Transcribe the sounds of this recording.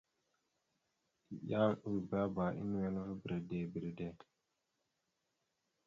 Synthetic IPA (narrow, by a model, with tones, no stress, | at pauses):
ja˦u˨ba˦ba˨ʔḭ˦n˦wɛ˦lvə˦bi˨ɾə˨de˨bi˨ɾə˨de˨